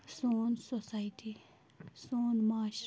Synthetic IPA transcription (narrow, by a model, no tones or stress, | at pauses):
soːnsosaiʈi | soːnmaːʃ